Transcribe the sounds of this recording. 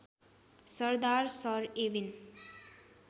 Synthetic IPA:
səɾd̪aɾsʌɾeʋin

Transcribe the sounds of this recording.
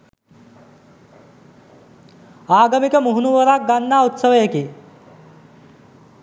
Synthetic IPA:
aːɡəmikəmuɦunuʋəɾak̚ɡanːaut̪səʋjeki

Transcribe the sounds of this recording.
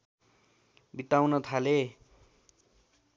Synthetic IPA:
bit̪awnʌt̪ʰale

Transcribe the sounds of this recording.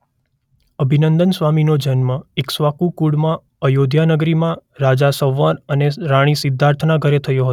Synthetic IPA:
əbʱinənd̪ənsʋaminod͡ʒənməeksʋakukuɽmã | əjod̪ʱjanəɡɾimãɾad͡ʒasəʋːənəneɾaɽ̃isɪd̪ʱːaɾt̪ʰnaɡʱəɾet̪ʰəjõɦət̪

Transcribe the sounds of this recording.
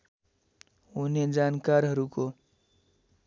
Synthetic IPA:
uned͡zankaɾɦʌɾuko

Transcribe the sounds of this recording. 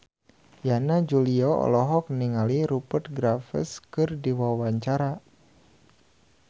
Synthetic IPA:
janad͡ʒuliɔɔ̰lɔɦɔk̚niŋaliɾupərt̪̚ɡɾafə̰skɨrdiwawaɲt͡ʃaɾa

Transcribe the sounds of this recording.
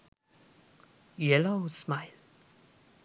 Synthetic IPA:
jɛloʊsmaɪl

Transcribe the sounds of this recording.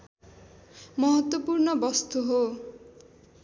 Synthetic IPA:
mɔɦɔt̪wɔpuɾnɔbɔst̪uɦo

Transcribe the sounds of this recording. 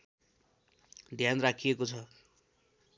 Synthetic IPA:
d̪ʱjanrakʰijekot͡sʰʌ

